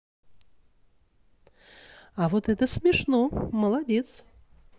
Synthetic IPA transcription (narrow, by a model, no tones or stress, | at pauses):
avot̪ɛt̪əsʲmʲɪʂnoməlˠadʲet̪s